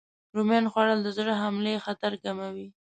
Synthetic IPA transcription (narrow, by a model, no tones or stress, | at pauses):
ɾumjɑnxwɑɽəld̪əzɽəɦamlexat̪aɾɡamawi